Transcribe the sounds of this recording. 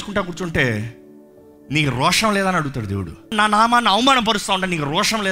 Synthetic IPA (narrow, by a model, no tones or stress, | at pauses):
su̥kuɳʈaːk̬uːɾt͡ʃuɳʈe̞ː | niːkuɾɔːʂɐmlɛːd̪aːnɐɽuɡut̪aːɽud̪eːwuɽṵnaːnaːmaːnaːɐwɐmaːnɐmp̬ɐɾust̪t̪aːuɳʈaːniːkuɾɔːʂɐmlɛː